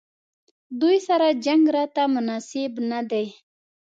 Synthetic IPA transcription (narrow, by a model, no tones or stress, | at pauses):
d̪ujsaɾad͡ʒaŋɡɾɑt̪amʊnɑsɪbnad̪ej